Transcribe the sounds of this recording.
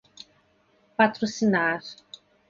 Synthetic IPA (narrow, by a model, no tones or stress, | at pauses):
pat̪ɾosinaɾ